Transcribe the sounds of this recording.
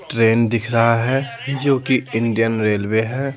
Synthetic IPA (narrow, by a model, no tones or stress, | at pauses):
ʈɾeːnd̪ɪkʰɾɐɦaɦɛd͡ʒoːkiɪ̃ɳɖijənɾeːlweɦɛː